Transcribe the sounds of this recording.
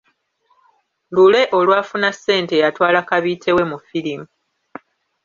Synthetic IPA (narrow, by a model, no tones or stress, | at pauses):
lule̞ʔo̞lwaːfunasːe̞ːnte̞jatwaːlakaβiːtʰe̞we̞mufilimu